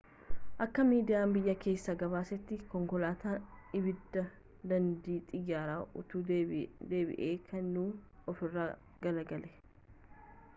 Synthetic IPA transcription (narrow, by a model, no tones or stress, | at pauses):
ʔɐkːɐmiːd̪ɪjaːmbɪjːɐke̞ːsːɐɡɐβaːsɛt̪ːɪkɔŋkɔlaːt̪aːɪbɪd̪ːɐ | d̪ɐnd̪iːt̪ʼɪjːaːɾaːʔʊt̪uːd̪e̞ːbɪ̰ʔeːkʰɐnːuːɔfɪrːaː | ɡ̥ɐlɐɡɐlɛ̥